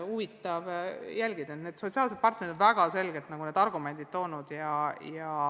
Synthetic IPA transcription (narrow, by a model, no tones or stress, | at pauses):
uvit̪ːˑɑvjælʲɡid̪ɑet̪ned̪̥sot̪ʲsiɑːls̬ed̪̚pɑrt̪neɾid̪onvæɡ̥ɑse̞lɡ̥elt̪nɑɡune̞ːd̪ɑrɡume̞nd̪it̪̚t̪ːo̞ːnud̪̥jɑjɑ